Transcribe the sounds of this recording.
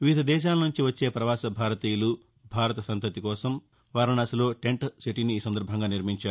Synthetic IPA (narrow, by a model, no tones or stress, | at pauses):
ʋid̪ʱɐd̪ɛːʃ̬aːlɐnuɲt͡ʃiʋɐt͡ʃːe̞ːpɾɐʋaːsɐbʱaːɾɐt̪iːjulu | bʱaːɾɐt̪ɐsɐnt̪ɐt̪ikɔːsɐm | ʋaːɾinɐsɐlo̞ːʈe̞ɳʈsiʈiniːsɐnd̪ɐɾbʱɐŋɡaːniɾmiɲt͡ʃaːɾu